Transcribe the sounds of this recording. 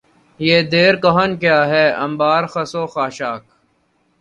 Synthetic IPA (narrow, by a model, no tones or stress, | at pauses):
jeːd̪eːɾkɐɦənkjaːɦɛːɐ̰̃mbaːɾxəsoːxaːʃaːk̚